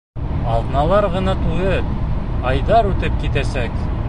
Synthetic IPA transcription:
ɑlˠʁnɑlˠɑɾʁɤ̆nɑt̪ujɤ | ɑjd̪ɑɾʉt̪ɘp̚kit̪æsæk

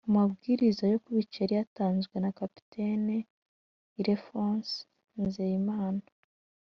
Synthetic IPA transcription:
umabɡiːɾizajo̞kuβiceɾijataːnzɡwe̞nakapi̥tʰene | iɾefans | nzejimaːna

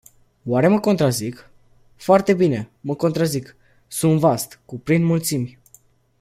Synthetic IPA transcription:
waɾe̞məko̞nt̪ɾazik | foart̪e̞bine̞məko̞nt̪ɾazik | sunt̪vast̪kupɾind̪mult̪simʲ

